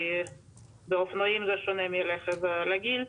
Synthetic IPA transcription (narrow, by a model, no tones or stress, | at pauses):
beofnojimzɛʃonemjeleχevlaɡil